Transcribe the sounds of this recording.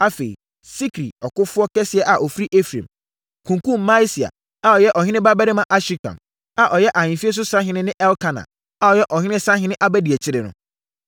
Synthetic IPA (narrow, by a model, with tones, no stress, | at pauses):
a˦fḛ˨ḭ˨ | si˦kʰɾḭ˨ɔ˨kʊ˦fʊ˦ɔ˦kɛ˦sɪ˨˦ɛ˦ʔa˨ʔɔ˨fɾi˦ʔe˦fɾḛ̃˨m | kʰũ˨ŋkũ˦mː˨ã˦si˨a̰˨ | a˨ɔ˨jɛ˦ʔɔ˨ɦɪ̃˦nɪ̃˦ba˦bɛ˦ɾɪ˦mã˨ʔa˦ɕi˦kʰã̰˨n | a˨ʔɔ˨jɛ˦ʔa˨ɲɪ̃˨fi˦e˦s̬ʊ˦sã˦ɦɪ̃˦nɪ̃˦nɪ̃˦ʔɛ˦lkʰã˨nã̰˨ | a˨ɔ˨jɛ˦ʔɔ˨ɦɪ̃˦nɪ̃˦sã˦ɦɪ̃˦nɪ̃˦ʔa˦bɛ˦di˨ɛ˨t͡ɕʰɪ˦ɾɪ˨nʊ̰̃˦